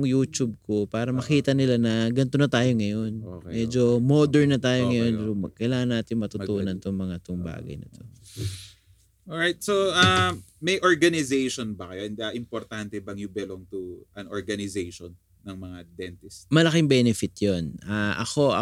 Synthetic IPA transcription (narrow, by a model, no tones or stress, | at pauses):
ŋjuːt͡ʃub̚ko̞paːɾɐmɐkiːt̪ɐnɪlanɐɡɐnt̪onɐt̪aːjo̞ŋɐjo̞nmɛd͡ʒo̞moːd̪ɛɹnɐt̪aːjoŋɐjo̞nsokɐjlaːŋɐnːaːt̪ɪɲŋmɐt̪ʊt̪uːnɐnt̪ʊŋmɐŋat̪ʊŋba̰ːɡɐ̰jnɐ̰t̪ʰo̞̰ | oɹajt̪̚soamɐjʔoɹɡɐnɪzejʃonbɐkɐjoʔɛnd̪ɐʔɪmpoɾt̪ant̪ɛbɐŋjʊbɛloŋt̪uʔɐnoɹɡɐnɪzejʃonːɐŋmɐŋad̪ɛnt̪ɪsmɐlɐkɪŋbɛnɛfɪt̪jonʔaʔɐ̰ko̞ɐ